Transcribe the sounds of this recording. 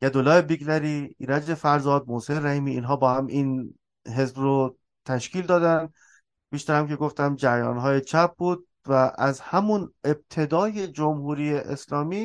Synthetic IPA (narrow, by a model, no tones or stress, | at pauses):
jæd̪olːɒːebiɡlæɾiːiɾæd͡ʒefæɾzɒːd̪̚moseɾæhiːmiːnɦɒːbɒːhæmin | ɦe̞zbɾo | t̪ʰæʃcʰiːld̪ɒːd̪æn | b̥iːʃt̪æɾæmkʲʰe̞ɡoft̪æmd͡ʒæɾjɒ̰ːnɦɒːjet͡ʃʰæp̚buːd̪̥̚ | væʔæzhæmune̞b̚t̪ʰe̞d̪ɒːje̞d͡ʒomhuːɾijeʔeslɒːmiː